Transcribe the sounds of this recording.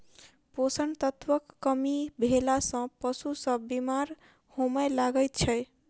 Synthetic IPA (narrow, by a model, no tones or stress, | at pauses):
posənt̪ət̪ʋəkːəmibʱelasʌ̃pəsusə̃bimaɾ | homəjlaɡət̪̚t͡ʃʰəj